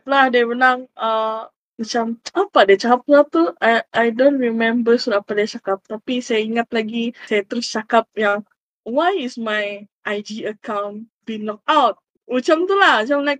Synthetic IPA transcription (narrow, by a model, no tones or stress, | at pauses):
plahdabənaŋə | mat͡ʃamapadat͡ʃakap̚əlap̚t̪uaʔajdontɹimɛ̃mbəsulapadaat͡ʃakap̚t̪apisajaiŋat̪̚laɡisajat̪əɾʊst͡ʃakap̚jaŋ | wajismajʔajd͡ʒiəkãw̃n | binlɔk̚awt̚ | mət͡ʃamt̪ulahət͡ʃamlajk̚